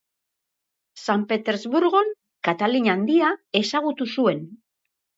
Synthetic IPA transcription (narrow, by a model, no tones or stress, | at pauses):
sampe̞t̪e̞ɾzβuɾɣo̞n | kat̪aliɲand̪iae̞saɣut̪usue̞n